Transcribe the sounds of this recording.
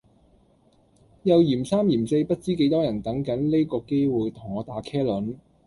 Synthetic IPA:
jɐ˨˧wjiː˨˩msaː˥mjiː˨˩mse˧jpɐ˥t̚t͡siː˥ke˨˥jt̪ɔː˥jɐ˨˩nt̪ɐ˨˥ŋkɐ˨˥nle˥jkɔː˧ke˥jwuː˨jt̪ʰʊ˨˩ŋɔː˨˧t̪aː˨˧˥kʰɛː˥lɵ˨˥n

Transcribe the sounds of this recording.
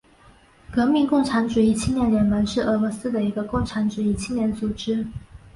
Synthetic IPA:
kɤ˧˥mi˧˥ŋkʊ˥˩ŋʈ͡ʂʰa˧˥nʈ͡ʂu˨˩i˥˩t͡ɕʰi˥ŋnjɛ˧˥nɥɛ˧˥nmə˧˥nʂɻ̩˥˩ɤ˧˥lɔ˧˥sɹ̩˥d̪ə˨i˧˥ɡə˧kʊ˥˩ŋʈ͡ʂʰa˧˥nʈ͡ʂu˨˩i˥˩t͡ɕʰi˥ŋnjɛ˧˥nt͡su˨˩ʈ͡ʂɻ̩˥

